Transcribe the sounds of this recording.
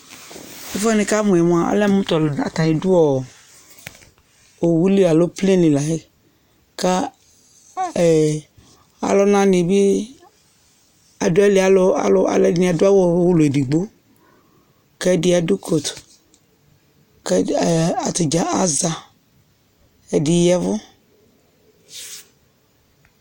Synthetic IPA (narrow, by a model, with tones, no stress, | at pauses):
e˦fɔ˦nĩ˨ka˦mũ˨ɛ˨m˨˦a˨a̰˨le˦mũ˦t̪ɔ˨a˨t̪a˨ji˨du˦ɔ˨ | o˨wu˦li˦a˨lo˦plẽ˦li˨la˨e˦ | ka˦˨ | a̰˨lɔ˦nã˦nĩ˨bi˦ | a˨do˦a˦li˦a˨lo˦a̰˨lo˦a̰˨le˦nĩ˦˨a˨do˦a˦wo˦wo˦lo˨di˨ɡ͡bo˦ | ke˦dɪ˦a˨du˦kʰo˨t̪ | ke˦a˨t̪i˨d͡ʒa˨ʔa˦za˨ | e˨di˨jɛ˦vʊ˦